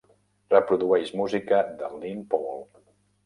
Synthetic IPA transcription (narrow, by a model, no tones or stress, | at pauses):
rəpɾuðuɛʃmuzikəðəlinpɔlˠ